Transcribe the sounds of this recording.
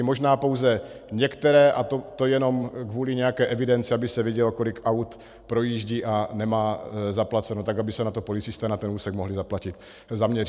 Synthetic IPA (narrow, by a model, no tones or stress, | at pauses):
mo̞ʒnaːpowzɛɲɛkt̪ɛɾɛːʔat̪ot̪ojɛno̞mkvuːliɲɛjakɛːʔɛvɪdɛnt͡siabɪsɛvjɛɟɛlko̞lɪkʔawt̪ | pɾo̞jiːʒɟiʔanɛmaːzaplat͡sɛnot̪aɡabɪsɛnat̪o̞po̞lɪt͡sɪst̪ɛːnat̪ɛnuːsɛɡmoɦlɪzaplacɪt̪ | zamɲɛɾ